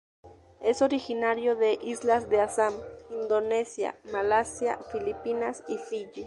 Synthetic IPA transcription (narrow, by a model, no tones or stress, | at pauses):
e̞soɾixinaɾjoðeʔislazd̪easamind̪onesja̰malasja̰filipinasisiʎi